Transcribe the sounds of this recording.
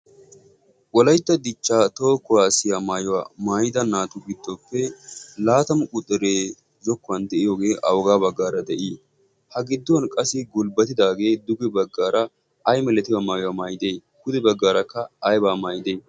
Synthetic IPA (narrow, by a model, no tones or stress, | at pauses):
wɔlɐjt̪ːɐd̪ɪt͡ʃːaːt̪oːkːɔwaːsɪjamaːjʊwa̰maːjɪd̪ɐnaːt̪ʊɡɪd̪ːɔpːɛlaːt̪ɐmʊkʼʊt̪ʼːɛɾeː | d͡ʒɔkːɔwɐnd̪ɛʔɪjoːɡe̞ːʔɐwɔɡaːbɐɡːaːɾɐd̪ɛʔɪ | hɐɡɪd̪ːʊwɐnkʼɐsɪɡʊlbɐt̪ɪd̪aːɡe̞ːd̪ʊɡɛbɐɡːaːɾɐ | ɐjmɛlɛt̪ɪwamaːjʊwaːmaːjɪd̪e̞ːkʊd̪ɛbɐɡːaːɾɐkːɐːjbaːmaːjɪd̪eː